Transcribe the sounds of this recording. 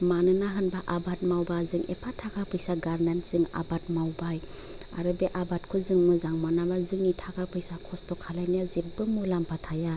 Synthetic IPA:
manɯnaɦɯnbaʔabat̚mawbazɯŋʔḛpʰatʰakʰapʰɯjsaɡaɾnanzɯŋa̰bat̚mawbaj | a̰ɾɯbeʔabatkʰuzɯŋmɯzaŋmanabazɯŋitʰakʰapʰɯjsakʰɔstɔkʰalajnijazep̚bɯmɔlampʰatʰaja

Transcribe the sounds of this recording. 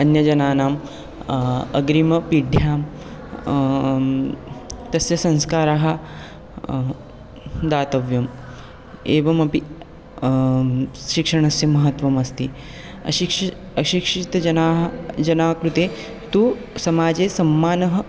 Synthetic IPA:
ɐnjɐd͡ʒɐnaːnaːm | ɐ̰ɡɾimɐpiɖʱjaːm | t̪ɐsjɐsɐ̃ñskaːɾaːɦɐ | d̪aːt̪ɐʋjɐm | eːʋɐmɐpi | ʃikʂɐɳ̃ɐsjɐmɐɦɐt̪ʋɐmɐst̪iː | ɐ̰ | ɐʃikʂit̪ɐɐnaːɦd͡ʒɐnaːkɾut̪eː | t̪uː | sɐmaːd͡zeːsɐmːaːnɐɦɐ

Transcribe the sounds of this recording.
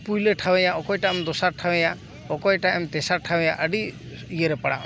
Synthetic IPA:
pujleʈʰawɛjaʔɔkɔjʈamd̪ɔsaɾʈʰawɛja | ɔkɔjʈaɛmt̪ɛsaɾʈʰawɛjaʔəɖi | ijəɾɛpaɽa̰

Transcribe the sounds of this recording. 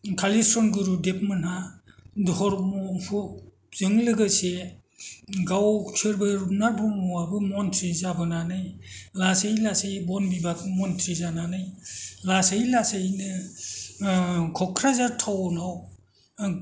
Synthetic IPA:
kʰalistɾɔnɡɯɾudep̚mɯnhadhɔɾmɔpʰu | z̥ɯŋlɯɡɯse | ɡawsʰɯɾbɯɾnaɾbʰumɔabɯmɔntʰɾizabɯnanɯjlasajlasajbɔnbibak̚mɔntʰɾizananɯjlasajlasajnɯ | kʰɔkʰɾazatʰawnaw

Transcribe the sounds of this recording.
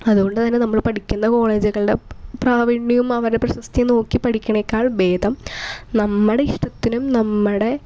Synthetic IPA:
ɐðuɣo̞ɳɖɨt̪ɐnːe̞nɐmːɐɭpɐʈikʲːunːɐko̞ːɭe̞ːd͡ʑiɣɐɭɨɖe̞praːʋiɳːijumɐʋɐɾɽeprɐɕɐst̪ʰino̞ːkːipɐʈʰikʲːuɳɐekʲːaːɭbe̞ːd̪ʱɐmnɐmːɨɽe̞iʂʈɐt̪ːinumnɐmːɨɽe̞

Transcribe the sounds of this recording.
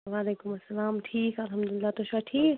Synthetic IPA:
ʋaːleːkʊmɐsːɐlaːmʈʰiːkɐlɦɐmd̪ʊlɪlːaːt̪oʃaʈʰiːk

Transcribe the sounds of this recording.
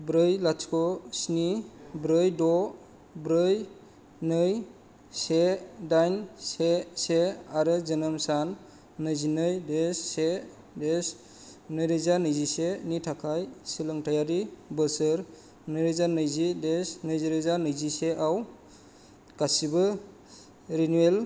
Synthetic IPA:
bɾɯjlatkɔsnibɾɯjdɔ | bɾɯj | nɯj | sedajnseseaɾɯzɯnɯmsanː | ɯjzinɯjdesːe | des | nɯjɾɯzanɯjzisenitʰakʰajsilɯŋtʰajaɾibɯsɯɾ | nɯjɾɯzanɯjzidesnɯjziɾɯzanɯjziseʔaw | kasibɯ | ɾinuel

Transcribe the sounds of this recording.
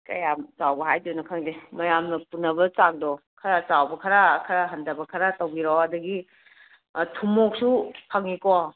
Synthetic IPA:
kɐ̰jamt͡ʃawbɐɦajdunɐkʰɐŋdemɐjamnɐpunːɐbɐt͡ʃaŋ̚dɔkʰɐɾat͡ʃawbɐkʰaɾakʰɐɾaɦɐndɐbɐkʰɐɾatowɡiɾɔɐdɐɡi | tʰumok̚sukʰaŋikɔ

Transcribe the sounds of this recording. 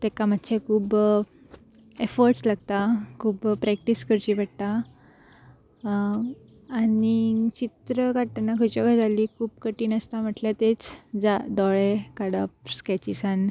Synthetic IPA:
t̪ekam̤ət̪ːɕʰekʰuːb | efɔɾʈslaɡt̪akʰuːbpɾɛk̚ʈiskəɾt͡ɕibəɽt̪a | nit͡ɕit̪ɾəkaɾʈanakʰət͡ɕɔɡad͡zʱaliːkʰuːbkəʈiːnəst̪am̤əʈlat̪et͡sd͡zad̪ɔɭekaɽap̚skɛt͡ɕisan

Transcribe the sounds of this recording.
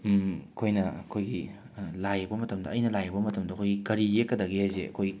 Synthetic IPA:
ɐkʰojnɐɐkʰojɡi | lajɐbɐmɐtɐmdɐ̰ʔɐjnɐlajɐbɐmɐtɐmdɐɐkʰojɡikɐɾiekːɐdɐɡihajzḛɐ̰kʰoj

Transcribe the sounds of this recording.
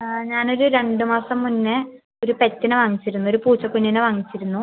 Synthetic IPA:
ɲaːno̞ɾuɾe̞ɳɖɨmaːsɐmːunːɨ | o̞ɾupe̞tːinɨʋɐŋːit͡ɕːiɾunːo̞ɾupuːt͡ɕːɐkːunːinɨʋɐŋːit͡ɕːiɾunːu

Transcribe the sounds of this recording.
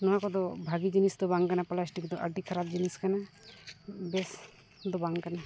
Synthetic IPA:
nɔɦãkɔd̪ɔbʱaɡid͡ʒinisd̪ɔbaŋkanaplasʈikd̪ɔʔɐɖʱikʰɐɾab̚d͡ʒiniskana | bes | d̪ɔbaŋkana

